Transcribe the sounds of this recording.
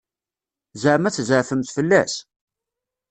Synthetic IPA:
zəʕmæt͡sːzəʕfəmt̪fəlːæ̰s

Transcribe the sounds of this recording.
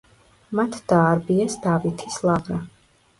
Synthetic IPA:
mat̪ʰd̪̥aːɾbiɛsd̪avit̪ʰislˠaʁɾa

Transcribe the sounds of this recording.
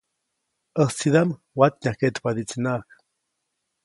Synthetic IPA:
əht͡siðam | wat̪nʲahket̪pad̪it͡sinak

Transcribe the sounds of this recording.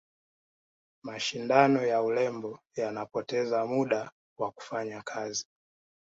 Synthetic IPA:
maʃindanɔjaulɛmbɔ | janapɔtɛzamuɗa | waku̥faɲakʰazi

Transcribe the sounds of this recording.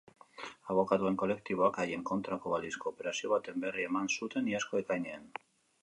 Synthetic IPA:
aβ̞o̞kat̪ue̞ŋko̞le̞kt̪iβo̞akaje̞ŋko̞nt̪ɾako̞β̞alisko̞ːpe̞ɾasio̞β̞at̪e̞mbe̞rie̞mansut̪e̞niasko̞e̞kajnean

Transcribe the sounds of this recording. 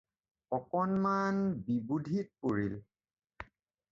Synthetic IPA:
ɔkɔnmanbibudʱit̚poɹil

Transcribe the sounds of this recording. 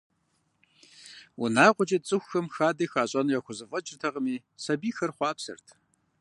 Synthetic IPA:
ʊ̰naːqʷʼʊt͡ʃʼɐt͡sʼɨxʷxɐmxaːdɐxaːɕʼɐnjaxʷʊzɨfʼɐt͡ʃʼɪrtʰɐʁəmiː | sɐbiːxɐrχʷɑːpsɨ̰rtʰ

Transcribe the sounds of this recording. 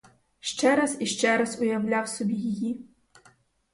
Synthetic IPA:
ʃt͡ʃɛɾɐz̥iʃt͡ʃɛɾɐzʊjɐwlʲawsɔbʲijiji

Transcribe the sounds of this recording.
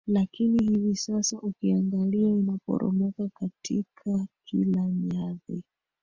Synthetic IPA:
lakinihivisasaʔukiaŋɡaliainapɔ̰ɾɔ̰mɔkakatʰikʰakʰilaɲaði

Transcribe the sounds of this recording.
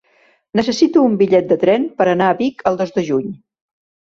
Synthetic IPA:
nəsəsit̪uːmbiʎɛt̪̚d̪ət̪ɾɛnpəɾənaːβikəlˠd̪ozd̪əʒuɲ

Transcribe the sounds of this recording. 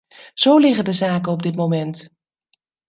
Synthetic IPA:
z̥owlɪχəndəzaːkənɔb̚dɪtmowmɛnt

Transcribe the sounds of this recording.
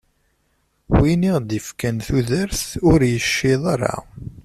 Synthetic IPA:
winiʁd̪əfkənθuðəɾθʊɾjəʃːɪðˤaɾˤa̰

